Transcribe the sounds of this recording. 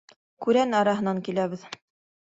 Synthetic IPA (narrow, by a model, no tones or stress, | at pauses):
kʉɾænɑɾɑɦɤ̆nɑŋkilæβɘð